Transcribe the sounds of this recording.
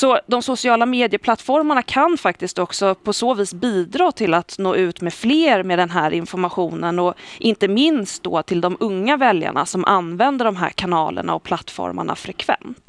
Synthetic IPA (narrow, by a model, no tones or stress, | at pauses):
sɔd̪ɔmsʊsɪɑːlameːd̪ɪəpʰlat̪ːfɔɾmaɳakʰanfak̚t̪ɪsk̚t̪ɔksɔpʰɔsoːviːsbiːd̪ɾɑːt̪ʰɪlat̪noːʉ̟ːt̪mefleːɾmeːd̪ɛnɦæːɾɪnfɔɾmaɧuːnənɔʔɪnt̪əmɪnst̪̚d̪o̰ːt̪ʰɪld̪ɔmɵŋːavɛlja̰ɳa̰sɔmʔanvɛnd̪əɖɔmɦæ̰ːɾkʰanɑ̰ːlə̰ɳa̰ɔpʰlat̪ːfɔ̰ɾma̰ɳa̰fɾɛkʰv̥ɛ̰nt̪